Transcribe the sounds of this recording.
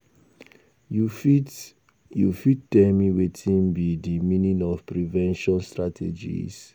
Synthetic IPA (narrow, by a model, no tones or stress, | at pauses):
jufit̚tɛmiwetʰĩnbidimĩnĩnɔfpɹivɛ̃nʃɔ̃nstɹatʰḛd͡ʒḭs